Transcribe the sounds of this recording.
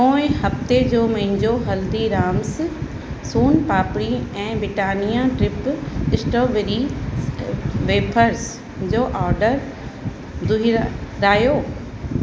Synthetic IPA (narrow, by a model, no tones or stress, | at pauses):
õːɪ̃ɦɐft̪ed͡ʑoːmɐ̃ɦɪ̃ɲd͡ʑoɦɐld̪iɾaːms | suːnpaːpɽiɛ̃ːbɾɪʈaːnijãʈɾɪpɪsʈoːʋeɾi | ʋeːpʰəɾs | d͡ʑoːʔaːɾɖəɾ | d̪ʊiɾɾaːjoː